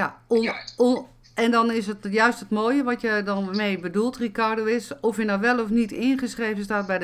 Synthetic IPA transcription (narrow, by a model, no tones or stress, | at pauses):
a | ɛndɔnɪsətjœɥstətmoːjəʋɔtjədɔnmeːbədulˠtrikardoːɪsɔfjənɔʋɛlˠɔfnitɪənχəsχreːvən̩staːt̚bɛj